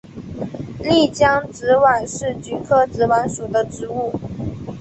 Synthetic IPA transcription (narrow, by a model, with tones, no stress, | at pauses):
li˥˩t͡ɕjɑ˥ŋʈ͡ʂɻ̩˧˥wa˨˩nʂɻ̩˥˩t͡ɕy˧˥kʰɤ˥ʈ͡ʂɻ̩˧˥wa˧˥nʂu˨˩d̪ə˦ʈ͡ʂɻ̩˧˥u˥˩